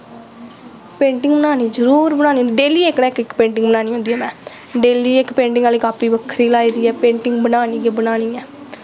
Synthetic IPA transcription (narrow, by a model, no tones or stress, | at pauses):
pẽːɳʈɪ̃ŋɡbənaːniːd͡ʒəɾuːɾbənaːñiːõːnd̪iːɖeːliːeːkɽɛːkɪkpẽːɳʈɪ̃ŋɡbənaːñiːɦõnd̪iːɛːmɛ̃ː | ɖeːliːekpẽːɳʈɪ̃ŋɡaliːkaːpiːbəkʰɾiːlaːiːd̪iːɛːpẽːɳʈɪŋɡbənaːniːɡeːbənaːniːɛː